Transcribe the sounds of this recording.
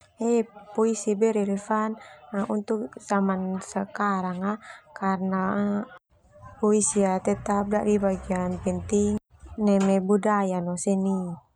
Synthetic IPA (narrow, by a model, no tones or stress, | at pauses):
ɛpɔisibɛɾɛlfanaunt̪uk̚zamansəkaɾaŋakarna | pɔisiat̪ɛt̪ap̚daʔdibaɡianpɛnt̪iŋ | nɛmɛbudajanɔsɛni